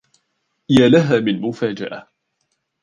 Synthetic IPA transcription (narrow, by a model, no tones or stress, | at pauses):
jaːlaɦaːmɪnmʊfaːd͡ʒaʔa